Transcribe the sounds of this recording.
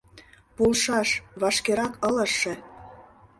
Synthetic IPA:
pulʃɑʃβɑʃkeɾɑkɤ̆lə̆ʃːĕ

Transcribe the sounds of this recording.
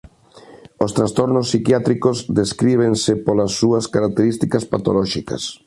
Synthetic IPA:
ost̪ɾast̪ɔɾnosːikjat̪ɾikozd̪eskɾiβ̞eŋsɪpolɐsːuɐskaɾak̚t̪eɾist̪ikɐspat̪olɔʃikɐ̰s

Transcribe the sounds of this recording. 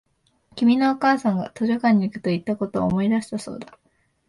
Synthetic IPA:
kʲimʲinoːkaːsãŋɡa̰t̪o̞ʑokãɲ̟ːiːkɯ̟t̪o̞it̪ːako̞t̪o̞̰ːmo̞id̪aɕi̥t̪aso̞̰ːd̪a

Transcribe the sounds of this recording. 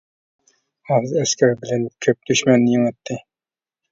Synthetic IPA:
ɑzæskʲʰæɾbɪlænkʲʰɵp̚d̪yʃmænːɪjeŋɑt̪ːɪ

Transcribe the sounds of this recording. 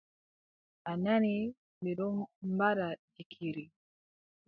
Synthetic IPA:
anani | mbiɾɔmbaɾad͡ʒikʰiɾi

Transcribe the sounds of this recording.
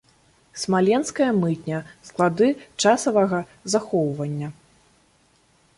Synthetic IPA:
smalʲɛnskɐjɐmɨt̪̚ʲnʲɐsklˠad̪ɨt͡ʂasɐvɐɣɐ | zaxɔwvɐnʲːɐ

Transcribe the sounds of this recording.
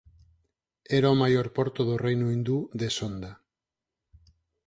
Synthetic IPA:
ɛɾaomajoɾpɔɾt̪oðorejnuĩnd̪uðesond̪a

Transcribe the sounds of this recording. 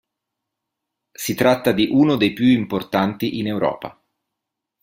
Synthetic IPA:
sit̪ɾat̪ːad̪iʔuːnod̪ejpjuimport̪ant̪iʔinewɾɔ̰ːpa̰

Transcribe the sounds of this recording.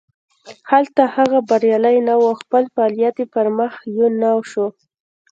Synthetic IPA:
halt̪ahaɣabaɾjɑlajnawawxpəlfaːlijat̪epəɾməxjonawʃo

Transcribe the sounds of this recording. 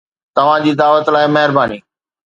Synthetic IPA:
t̪ɐʋ̤ãd͡ʑiːd̪aːʋət̪laːɪmɐɦɪɾbaːniː

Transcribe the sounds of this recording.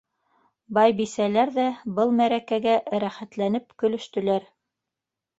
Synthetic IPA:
bɑjbisælæɾðæbɤlˠmæɾækæɡæʔɾæχæt̪lænɘpkɵ̆lɵ̆ʃt̪ɵ̆læɾ

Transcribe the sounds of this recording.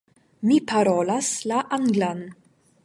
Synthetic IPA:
mipʰaɾolaslaʔaŋɡlan

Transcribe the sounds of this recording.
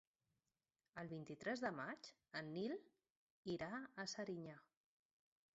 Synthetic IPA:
əlˠβint̪it̪ɾɛzðəmad͡ʒ | ənːil | iɾaəsəɾiɲa

